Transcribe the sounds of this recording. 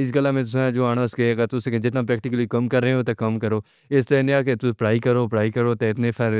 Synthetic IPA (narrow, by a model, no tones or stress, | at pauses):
ɪs̬ɡəlːaːmẽt̪ʊsãd͡ʒoːaːñaːskeeːɡaːt̪ʊsẽkd͡ʒɪt̪̬nãːpɾɛːk̚ʈɪkəlikɐmkəɾːeɦẽot̪ekɐmkəɾoː | ɪst̪ɐẽnɪaːket̪ʊpɾaːikəɾoːpɾaːikəɾoːt̪eɪt̪nepʰɛɾ